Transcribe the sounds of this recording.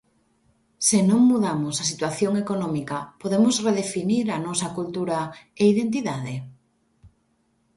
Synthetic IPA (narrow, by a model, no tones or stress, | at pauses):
sɪnõŋmuðamosɐsit̪waθjoŋekonɔmikɐpoðemʊsreðefiniɾɐnɔsɐkult̪uɾaeiðent̪̬iðaðe